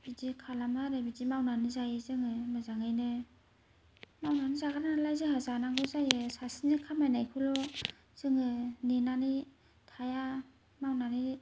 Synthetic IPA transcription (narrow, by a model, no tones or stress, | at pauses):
bidikʰalamaɾebidimawnanizajɯzɯŋɯmazaŋɯjnɯ | mawnanizaɡʰaɾanalajzɯɦazanaŋɡɯzajɯsasinikʰamajnajkʰɯlɔ | z̥ɯŋɯnenani | tʰaja | mawnani